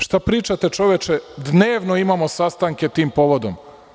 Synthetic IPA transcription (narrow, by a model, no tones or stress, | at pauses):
ʃt̪apɾiːt͡ʃat̪e̞t͡ʃo̞ʋjet͡ʃed̪neːʋnoimamosast̪aŋket̪iːmpo̞ʋo̞d̪om